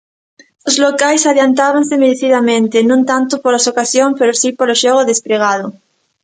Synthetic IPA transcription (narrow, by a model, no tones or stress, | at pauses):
ozlokajsaðjant̪aβansemeɾeθiðamẽnt̪enõnt̪ant̪opoɾlasokasjoŋpeɾosipoɾoʃoɣ̞oðespɾeɣ̞að̞o